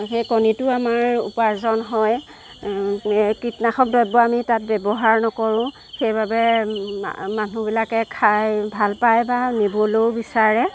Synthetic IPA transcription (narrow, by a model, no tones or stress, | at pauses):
xejkɔnitʊamaɹṵpazɔnɦɔj | kɹitnaxɔk̚dɔjbɔamitat̚bɛbɔɦaɹnɔkɔɹʊ̃ | xejbabɛ̰ | manubilakɛkʰajbʱalpajbanibolowbisaɹɛ